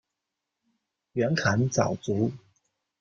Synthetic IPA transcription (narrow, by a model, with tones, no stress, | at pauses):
ɥɛ˧˥nkʰa˧˥˦nt͡sɑ̰˨˩ʊt͡su˨˥˦